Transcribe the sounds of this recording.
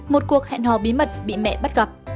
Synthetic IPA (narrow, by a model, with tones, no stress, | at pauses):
mo˨˩t̚ku˨˩ək̚hɛ̰˧˨nhɔ˧˩ɓi˨˦mə˨˩t̚ɓḭ˧˨mɛ̰˧˨ɓa˦˥t̚ɣə˨˩p̚